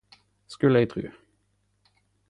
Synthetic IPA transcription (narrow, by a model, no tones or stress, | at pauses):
skʉləæɪt̪ʰʁʉ̰ː